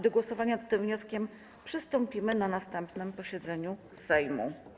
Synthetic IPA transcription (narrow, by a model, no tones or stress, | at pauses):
d̪ɔɡwɔsɔvaɲat̪ːɘmvɲɔskʲɛm | pʂɘst̪ɔmpʲimɘnanast̪ɛmpnɘmpɔɕɛd̪zɛɲu | sɛjmṵ